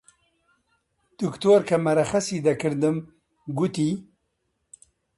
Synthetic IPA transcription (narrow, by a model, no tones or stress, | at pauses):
d̪̥ukt̪oːɾkʰɐmɐɾɐxɐsiːd̪ɐkʰɨɾd̪ɨm | ɡut̪iː